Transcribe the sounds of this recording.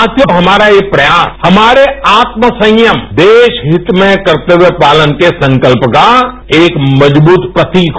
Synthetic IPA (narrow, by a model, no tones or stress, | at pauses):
t̪jəɦɐmaːɾajepɾɐjaːshɐmaːɾeaːt̪məsə̃ŋjəmd̪eːʃɦɪt̪mẽkɐɾt̪eɦwepaːlənkesə̃ŋkəlpka | eːkməd͡ʒbuːt̪pɾət̪ik